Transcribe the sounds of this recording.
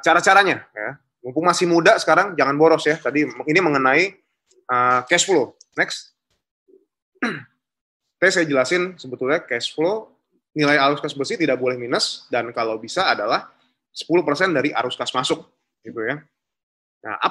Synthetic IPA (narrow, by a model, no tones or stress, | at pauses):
t͡ʃaɾat͡ʃaɾaɲaja | muŋpʊŋmasɪhmudasə̥kaɾaŋd͡ʒaŋanboɾɔsjat̪adiminiməŋənai | əkɛsflonɛks | sajasajad͡ʒəlasɪnsəbət̪ʊlɲakɛsflo | nilajaɾuskasbərsɪht̪idak̚bolɛhminəsdankalawbisaːdalah | sə̥puluhpərsɛndaɾiʔa̰ɾʊskasmasʊk̚ | ɡit̪uja | ja̰ʔa̰